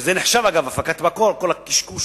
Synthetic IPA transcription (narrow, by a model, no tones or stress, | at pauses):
zeneħʃavaɡavafakat̪makolkolakiʃku